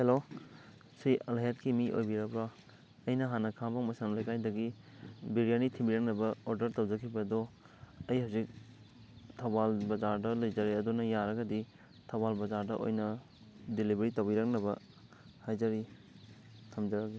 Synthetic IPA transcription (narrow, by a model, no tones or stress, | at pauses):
helo | siɐlɦetkimiʔo̰jbiɾabɾa | ɐjnɐɦanɐkʰabaŋmɐsanlajkajdɐɡi | biɾijanitʰimbiɾɐk̚nɐbɐoɾdɐɾtɐwd͡ʒɐkʰibɐdɔ | ɐjhawzik̚ | tʰabalbɐzaɾdɐlɐjd͡ʒɐɾeɐdunɐjaɾɐɡɐdi | tʰabalbɐd͡ʒaɾdɐʔo̰jnɐ | dilibeɾitɐwbiɾak̚nɐbɐ | hajd͡ʒɐɾi | tʰɐmd͡ʒɐɾaki